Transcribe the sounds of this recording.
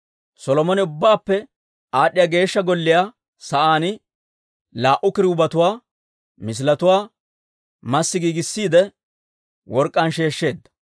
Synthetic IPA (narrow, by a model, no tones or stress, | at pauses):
sɔlɔmɔnɛʊbːaːpːɛ | aːɗːɪjaːɡe̞ːʃːɐɡɔlːɪjaː | sɐʔaːnɪ | laːʔʊkɪɾɪʊbɐt̪ʊwaː | mɪs̬lɐt̪ʊwaː | mɐsːɪɡiːɡɪsːiːd̪ɛ | wɔɾkʼːɐnʃe̞ːʃːe̞ːd̪ːɐ̥